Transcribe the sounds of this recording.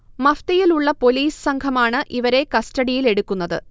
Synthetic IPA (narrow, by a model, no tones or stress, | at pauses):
mɐft̪ɐjiluɭːɐpo̞liːsɨ̥sɐŋɡʰɐmaːɳɨʔiʋɐɾe̞kɐstɐɽijile̞ɽukːunːɐðɨ̰